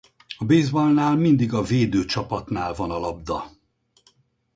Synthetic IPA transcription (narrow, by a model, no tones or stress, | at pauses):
ɒbeːzbɒlnaːlmind̪iɡɒveːd̪øːt͡ʃɒpɒt̪naːlvɒnɒlɒb̚d̪ɒ